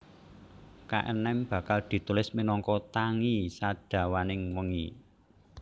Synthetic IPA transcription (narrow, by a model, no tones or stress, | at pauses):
ka̰ʔə̰nɛmb̥ä̤kald̪̥i̤t̪ulɪsminɔŋkɔt̪aŋisaɖ̥ä̤wanɪŋwəŋi